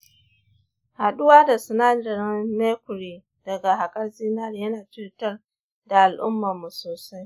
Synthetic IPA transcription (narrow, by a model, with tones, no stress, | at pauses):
ha˨ɗʊ˦waː˦da˨sʊ˨naː˦dɐ˨ɾne˦kʷʊ˨ɽiː˨ | d̥ɐ˨ɡa˨ɦa˨kʼɐ˦rziː˦nɐ˦˨rjɐ˦naː˨tɪ˦tɐ˦r | da˨ʔa˨lʔʊ̰˦mːa˨mːu˨soː˨sa˦j